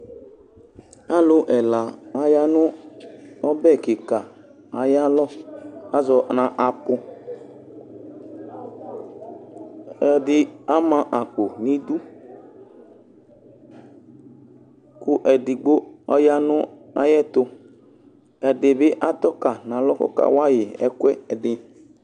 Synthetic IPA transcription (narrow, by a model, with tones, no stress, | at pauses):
a˦lʊ˦ʔɛ˨la˨a˨ja˦nʊ̃˦ | ɔ˦bɛ˦˨kɪ˨ka˨ | a˨ja˦lɔ˦a˦zɔ˨nã˨ʔa˨pʊ˧ | ɛ˨dɪ˦a˦mã˨ʔa˨k͡po˨nĩ˦d̪u˦ | kʊ˦ʔɛ˨dɪ˨ɡ͡bo˦ɔ̰˦ja˦nʊ̃˦a̰˦jɛ˦t̪ʊ˦ | ɛ˨dɪ˨bɪ˦ʔa˦t̪ɔ˦ka˨nã˨lɔ˦kɔ̰˦ka̰˦˨wa˦jɪ˨ɛ̰˦kɛ˦ɛ˨dɪ˨